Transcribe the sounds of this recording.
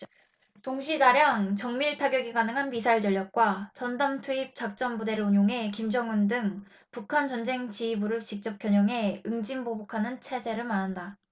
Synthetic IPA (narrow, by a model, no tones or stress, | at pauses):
toŋɕʰidaɾjaŋt͡ɕʌŋmiɭtʰaɡjʌɡiɡanɯŋɦanmisʰaiɭt͡ɕʌɭʎːjʌk̚k͈wat͡ɕʌndamtʰuip̚t͡ɕ͈ak̚t͡ɕ͈ʌmbude̞ɾɯɭuɲoŋɦe̞kimd͡ʑʌŋɯndɯŋ | pukʰant͡ɕʌnd͡ʑe̞ŋt͡ɕiːbɯɾɯɭt͡ɕik̚t͡ɕ͈ʌp̚k͈jʌɲʌŋɦe̞ɯŋd͡ʑimbobokʰanɯnt͡ɕʰe̞d͡ʑe̞ɾɯɭmanɦanda